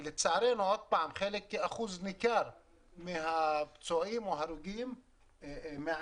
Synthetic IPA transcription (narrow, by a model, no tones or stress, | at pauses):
let͡saʕɾenuod̪̚paʕamχelekːeaχuznikaɾ | meɦapt͡suʔimoɦaɾuɡim | me